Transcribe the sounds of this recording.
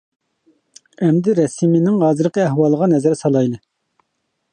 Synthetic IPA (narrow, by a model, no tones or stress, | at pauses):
ɛmd̪ɪɾɛsiminɪŋɦɑːzɨɾqəæhwɑlˠəʁɑnɛzɛɾsɑlˠɑjlˠɨ